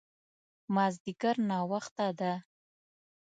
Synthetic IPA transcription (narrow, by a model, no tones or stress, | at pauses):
mɑzd̪ɪkaɾnɑwaxt̪ad̪a